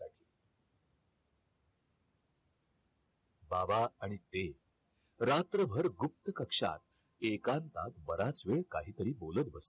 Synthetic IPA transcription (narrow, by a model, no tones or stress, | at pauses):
aʈʰi̥ː | babaaɽ̃it̪e | ɾat̪ɾəbʱəɾɡup̚t̪əkəkʂa̰t̪̚ | ekant̪at̪bəɾat͡sʋeɭkaɦiːt̪əɾiːbolət̪bəs